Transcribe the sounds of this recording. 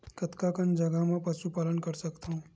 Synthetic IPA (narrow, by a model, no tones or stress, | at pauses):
kət̪kakənd͡ʒɐɡamẽpɐʃupaːlənkɐɾsɐkt̪aũ